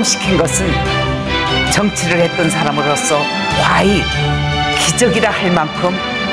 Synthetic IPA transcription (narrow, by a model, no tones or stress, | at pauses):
mɕʰi̥kʰinɡʌsʰɯn | t͡ɕʌŋt͡ɕʰeɾɯɭhe̞t̚t͈ʌnsʰaɾamɯɾos͈ʌ | kwai | kid͡ʑʌɡiɾahaɭmankʰɯm